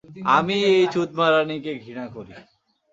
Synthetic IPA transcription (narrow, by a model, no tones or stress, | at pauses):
amiejt͡ʃut̪̚maɾanikeɡʱiɽ̃akoɾi